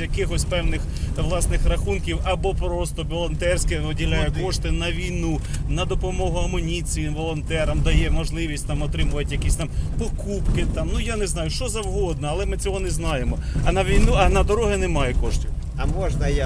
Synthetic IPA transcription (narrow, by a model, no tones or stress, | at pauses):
jɐkɪxɔsʲpɛwnɪx | ʋlˠɑsnɪxɾɐxunkʲiwɐbɔpɾɔst̪ɔʋɔlˠɔnt̪ɛrsʲkɛɔdʲilʲajɛkɔʃt̪ɪnɐʋʲijnu | nɐd̪ɔpɔmɔɦʊɐmɔnʲit͡s̪ʲijɪmʋɔlˠɔnt̪ɛɾɐmd̪ɐjɛmɔʒlˠɪʋʲisʲtʲt̪ɑmɔt̪ɾɪmʊʋɐtʲjɐkʲisʲt̪ɑmpɔkupkɪt̪ɑmnʊjaneznɑjʊʃt͡ʃɔzɐwɦɔd̪̚nɐɐlˠɛmɪt͡sʲɔɦɔnɛznɑjemɔɐnɐʋʲijnuɐnɐd̪ɔɾɔɦɪnɛmɑjɛkɔʃtʲʊ | ɐmɔʒnɐj